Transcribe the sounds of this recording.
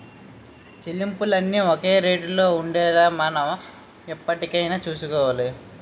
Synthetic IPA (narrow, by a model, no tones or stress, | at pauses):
t͡ʃilimpulɐnːioke̞ːɾeːʈulo̞ːuɳɖɛːɾaːmɐnɐm | ipːɐʈikɐjnaːt͡ʃuːsukɔːʋaːli